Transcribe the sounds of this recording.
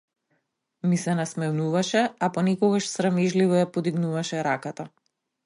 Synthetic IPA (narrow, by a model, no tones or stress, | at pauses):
misɛnasmɛnuvaʃɛapɔnɛkɔɡaʃsɾamɛʒlivɔjapɔd̪iɡnuvaʃɛɾakat̪a